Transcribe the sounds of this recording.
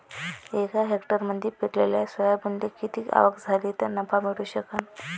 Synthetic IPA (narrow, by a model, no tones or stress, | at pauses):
ekaɦekʈəɾməd̪ʱːiːpeʈlḛljasʋəjabəɳd̪ekit̪iːka̰ʋəkd͡zʱaliːt̪əɾnəpamiɽuːɕəkan